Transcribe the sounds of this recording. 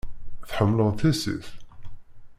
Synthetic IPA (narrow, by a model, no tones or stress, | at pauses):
θħəmːləðθæsḭθ